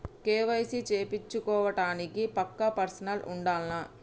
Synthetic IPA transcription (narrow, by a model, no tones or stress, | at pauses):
keːʋɐjsit͡ʃeːpit͡ʃːukɔːʋɐʈaːnikipɐkːɐpɐɾsɐnɐlṵɳɖaːlnɐ